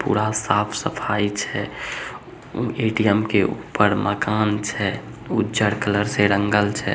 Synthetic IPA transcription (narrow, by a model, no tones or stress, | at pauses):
pṵɾasapʰsəpʰait͡ʃʰɛ | eʈijəmkeʔṵpːəɾməkant͡ʃʰɛ | udəɾkələɾseɾəŋɡəlt͡ʃʰɛ